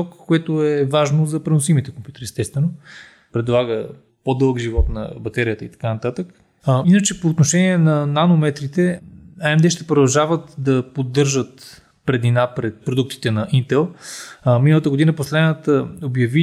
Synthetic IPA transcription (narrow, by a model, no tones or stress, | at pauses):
ɔkkːoɛt̪oɛvaʒnozɐpɾɛnʊsimit̪ɛkompʲjut̪ɛɾiɛst̪ɛst̪vɛno | pɾɛd̪lˠaɡə | pod̪ɤlˠɡʒivɔt̪nɐ̰bɐt̪ɛɾijət̪əit̪ɐ̥kanɐt̪at̪ək | inət͡ʃɛpoːt̪noʃɛniɛnɐnanomɛt̪ɾit̪ɛaɛmd̪ɛʃt̪ɛpɾod̪ɐlˠʒavət̪d̪ɐpod̪ːɤɾʒət̪ | pɾɛd̪inapɾɛt̪̚pɾod̪ukt̪i̥t̪ɛnɐʔint̪ɛlˠminəlˠət̪əɡod̪inəposlɛd̪nət̪əobjɐvi